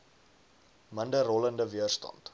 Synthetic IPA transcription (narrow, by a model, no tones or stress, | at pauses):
məndərɔləndəviərstɑ̰nt